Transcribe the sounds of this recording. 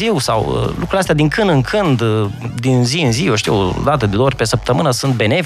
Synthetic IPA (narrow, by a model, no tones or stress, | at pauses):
iwsa̰wə̰lukɾuleast̪ead̪iŋkɨnd̪ɨŋkʰɨnd̪d̪inziɨnzioʃt̪ijo̰d̪at̪əd̪ed̪oorʲpe̞səp̚t̪əmɨnəsunt̪̚be̞ne̞v